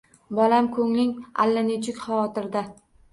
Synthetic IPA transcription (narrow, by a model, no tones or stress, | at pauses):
bɒlamkʰɵŋlɪŋa̰lːanet͡ʃʰɪkʲχavɒt̪ɪɾd̪a